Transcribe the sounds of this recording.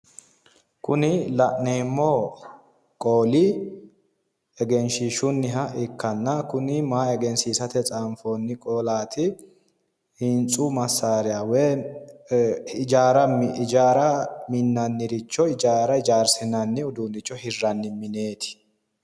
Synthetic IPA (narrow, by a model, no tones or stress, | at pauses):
kʊnɪlɐʔneːmːɔ | kʼoːlɪ | ɛɡɛnʃɪʃʊnːɪɦɐʔɪkːɐnːɐkʊnɪmaːɛɡɛnsiːsɐt̪ɛt͡sʼaːmfoːnːɪkʼoːlaːt̪ɪ | hɪnt͡sʼuːmɐsːaːɾɪjaːwɛ | ɪd͡ʒaːɾɐmd͡ʒaːɾɐmɪnːɐnːɪɾɪt͡ʃːɔɪd͡ʒaːɾɐɪd͡ʒaːɾsɪnɐnːɪʊd̪uːnɪt͡ʃːɔhɪrːɐnːɪmɪneːt̪ɪ̥